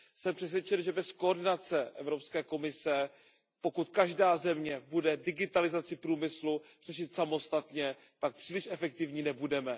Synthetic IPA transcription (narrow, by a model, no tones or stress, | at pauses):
sɛmpr̝̥ɛsvjɛt͡ʃɛnʒɛbɛskoːɾdɪnat͡sɛʔɛ̰vɾopskɛːko̞mɪsɛ | po̞kut̪kaʒdaːzɛmɲɛbudɛdɪɡɪt̪alɪzat͡sɪpɾuːmɪslu | r̝̥ɛʃ̬ɪt̪samo̞st̪at̪ɲɛ | t̪ak̚pr̥iːlɪʃɛfɛk̚t̪ɪvɲiːnɛbudɛmɛ